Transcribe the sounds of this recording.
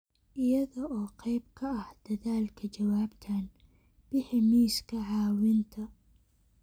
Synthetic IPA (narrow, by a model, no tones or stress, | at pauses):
ʔɪjɐðɔʔɔːqɑjbkʰɐɐhd̪̥ɐðaːlkʰɐt͡ʃɐwaːbt̪ʰaːn | b̥ɪħɪmiːskʰɐʕɑːwɪnt̪ʰɐ